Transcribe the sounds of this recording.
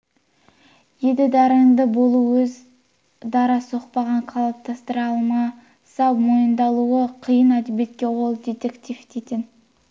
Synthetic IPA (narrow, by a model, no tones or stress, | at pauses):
jed̪ɪd̪ɑɾəɴd̪əbo̞lˠuwɵz | d̪ɑɾɑsəoq̚pɑʁɑɴqʰɑlˠɑp̚t̪ʰɑst̪əɾɑlˠmɑ | sɑwmo̞jənd̪ɑlˠuəqʰəjənæd̪ebe̞t̪̚kʲe̞wo̞lˠd̪et̪ekt̪ʲift̪et̪ʲɪn